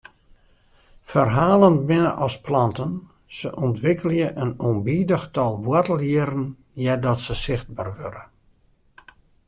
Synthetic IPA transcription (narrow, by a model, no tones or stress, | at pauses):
fərɦaːlˠənbɪnə̰ʔɔsplɑntən | səʔɔntʋɪkəlˠjəʔənombiːdəxtɔlˠʋwɔtəlˠiɾən̩ | jɛdɔtsəsɪxt̚ba̰ːrʋø̰ɾə